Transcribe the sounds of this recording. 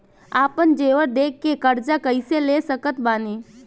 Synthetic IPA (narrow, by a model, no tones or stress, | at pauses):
aːpənd͡ʒeːʋəɾd̪eːk̚ʰːekɐɾd͡ʒakəiselesəkət̪baːneː